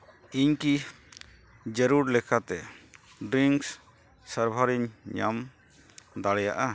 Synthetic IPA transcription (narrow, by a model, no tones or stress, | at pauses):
iɲki | d͡ʒəɾuɾlɛkʰat̪ɛ | ɖɾiŋks | səɾbʱaɾiɲɲa̰m | d̪aɽɛja̰ʔa